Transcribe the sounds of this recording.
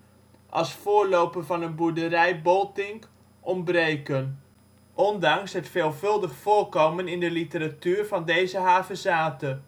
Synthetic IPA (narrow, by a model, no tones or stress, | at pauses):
ʔɑlˠsfʊːɹlowpənvɑnənbuɹdəɾɛjbɔlˠtɪŋk | ʔɔmbrejkən | ʔɔndɑŋsɦətfeːlˠvɵlˠdəχfʊːɹkowmənɪndəlitəratyːɹvɑndejzəɦaːvəzaːtə